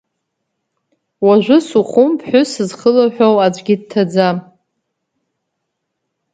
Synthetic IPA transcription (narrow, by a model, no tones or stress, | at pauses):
waʒᶣʷʊsuχʷʊmpʰħʷᶣʊsɨzχəlaħᶣowad͡ʒʷʼɡʲɪd̚tʰad͡zam